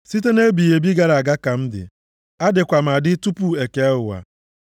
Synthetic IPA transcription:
si˦t̬e˦ne˦bi˨je˨bi˦ɡa˦ɾa˨a˨ɡa˦ka˨m̩˦dɪ̰˨ | a˦dɪ˨kʷa˨m̩˨a˨dɪ˦tu˦pu˨e˨ke˨a˦ɦʊ˨wa̰˨

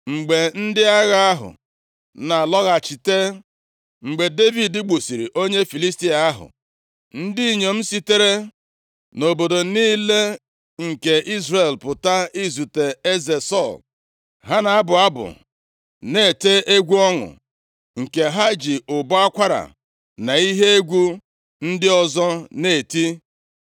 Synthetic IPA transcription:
ŋ͡m̩˨ɡ͡be˨n̩˦dɪ˦a˦ɣa˦a˦ɦʊ̰˨ | na˨lɔ˦ɣa˨t͡ʃi˨te˦ | ŋ͡m̩˨ɡ͡be˨de˦vi˨ddɪ˦ɡ͡bu˨si˨ɾḭ˨ʔo˦ɲe˦fi˨li˦sti˦a˨a˦ɦʊ̰˨ | n̩˦di˦˨ɲo˨m̩˦si˦te˦ɾe˦ | no˨bo˨do˨niː˦le˦ | ŋ̩˨ke˨ʔi˦zre˨lpʊ˨ta˦i˦zu˨te˨e˦ze˨sɔ˦˨l | ɦa˦na˨a˦bʊ˨a˦bʊ̰˨ | ne˦˨te˦ʔe˦ɡʷu˦ɔ˦ŋʊ̰˨ | ŋ̩˨ke˨ɦa˦d͡ʒi˨ʊ˨bʊ˦a˦kʷa˦ɾa̰˨ | na˨i˦ɦe˦e˦ɡʷu˦ | n̩˦dɪ˦ɔ˦zɔ˦ne˨ti˦

